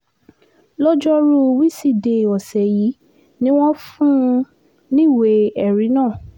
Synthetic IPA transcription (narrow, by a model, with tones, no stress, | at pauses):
lɔ˦d͡ʒɔ˦ɾo˦˧wi˦si˦˨de˨ɔ˨sɛ˨ji˨˦ | nĩ˦w̃ɔ̃˦fũ˦˧ | nĩ˦˨we˨ɛ˨ɾi˨˦nãː˦˨